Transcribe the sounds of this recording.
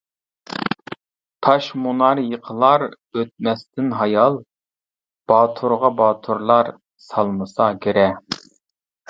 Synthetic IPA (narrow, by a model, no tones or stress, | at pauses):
t̪ʰɑʃmunɑɾjəqʰəlˠɑɾ | øt̪̚mɛst̪ɪnɦɑjɑlˠ | b̥ɑːt̪ʰuɾʁɑbɑːt̪ʰuɾlˠɑɾ | sɑlˠmɨsɑɡʲeɾɛ